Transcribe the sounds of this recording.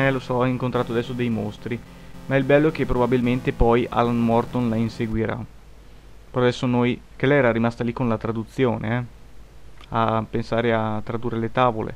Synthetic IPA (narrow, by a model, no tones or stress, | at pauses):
ɛlosɔiŋkont̪ɾaːt̪oad̪ɛsːod̪ejmost̪ɾi | maɛilbɛlːok̟epːɾobabilment̪epɔja̰lanmɔrt̪onlainseɡwiɾa̰ | pɔjad̪ɛsːonojkelɛjɛːɾaɾimast̪alikonlat̪ɾad̪ut̪sːjo̰ːnḛɛ | apensaːɾeat̪ːɾad̪uːrːelet̪aːvolḛ